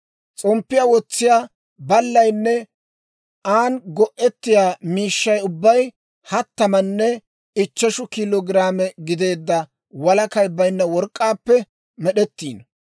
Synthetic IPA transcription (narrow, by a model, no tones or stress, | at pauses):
t͡sʼɔmpːɪjaːwɔt͡sːɪjaː | bɐlːɐjnːɛ | aːnɡɔʔɛt̪ːɪjaːmiːʃːɐjʊbːɐj | hɐt̪ːɐmɐnːɛ | ɪt͡ʃːɛʃʊkɪloɡɪɾaːmɛɡɪd̪e̞ːd̪ːɐ | wɐlɐkɐjbɐjnːɐwɔɾkʼːaːpːɛ | mɛɗɛt̪ːḭːn